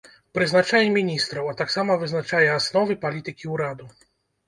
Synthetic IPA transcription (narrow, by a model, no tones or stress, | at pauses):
pɾɨznat͡ʂajɛmʲinʲist̪ɾɐwat̪aksamɐvɨznat͡ʂajɛasnɔvɨpalʲit̪ɨkʲiuɾad̪u